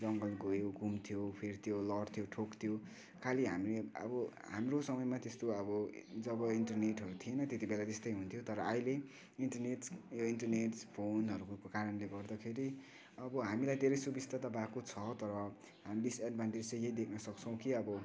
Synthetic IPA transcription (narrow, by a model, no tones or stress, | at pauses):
d͡zʌŋɡʌlɡojowɡʱumt̪ʰijopʰirt̪ʰijolʌɽt̪ʰijoʈʰokt̪ʰijo | kʰaliɦa̰mileʌ̰bʌɦa̰mrosʌmʌjmat̪est̪oʌbʌd͡zʌbʌiɳʈʌrneʈɦʌɾut̪ʰienʌt̪et̪ibelat̪est̪ʌjɦunt̪ʰijot̪ʌɾʌajle | inʈʌrneʈjoinʈʌrneʈspʰonɦʌɾukokaɾʌnleɡʌrd̪ʌkʰeɾi | ʌbʌɦamilajd̪ʱeɾʌjsubist̪ʰat̪ʌbakot͡sʰʌt̪ʌɾʌ | ɦamid̪isaɖbʱanʈed͡zejjeid̪ekʰnʌsʌkt͡sʰʌ̃w̃kiʌbʌ